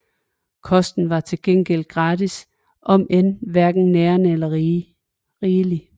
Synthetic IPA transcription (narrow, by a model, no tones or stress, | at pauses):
kʰɒ̽sd̥n̩ʋɑ̈t͡sʰe̝lɡ̥en̰ɡ̥el̰̥̚ɡ̥ʁɑ̈ːdis | ʔɒ̽menʋæɐɡ̥n̩neːɐnəelɐ | ʁiːli